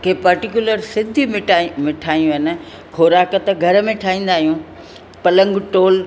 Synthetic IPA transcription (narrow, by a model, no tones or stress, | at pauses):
kʰeːpɐɾʈikjʊləɾsɪd̪ʱimɪamɪʈʰaːjũɦɪn̆ | kʰoːɾaːkət̪ɡʱɐɾəmẽʈʰaːĩːn̆d̪aːɦijũ | pɐlə̃ŋɡʈoːl